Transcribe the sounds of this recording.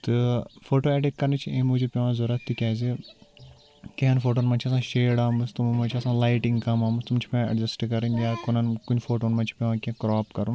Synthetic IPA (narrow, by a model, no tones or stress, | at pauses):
t̪ɨfoːʈoːɛʈekkɐɾnet͡ʃʰiẽːmud͡ʒipʲeʋãːzoɾɐt̪ːikʲaːzi | keɦɐnfoːʈoːnmãt͡ʃʰiɐsãːʃeːɽaːmɨst̪ummɐ̃t͡ʃʰiɐsãːlaːjʈĩŋɡkɐmaːmɨst̪umt͡ʃʰi̥pʲãɐ̰ɖd͡ʒɐsʈkɐɾinjaːkonɐnkunʲfoːʈoːnmɐ̃nt͡ʃʰi̥pʲeʋãːkẽkɾɔːpkɐɾũ